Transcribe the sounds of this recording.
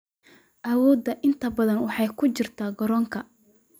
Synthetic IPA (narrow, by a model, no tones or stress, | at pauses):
ʔɐwɔːd̪ːɐʔɪnt̪ʰɐbɐðɐnwɑħɑjkʰʊt͡ʃɪrt̪ʰaːɡɔɾɔːŋkʰɐ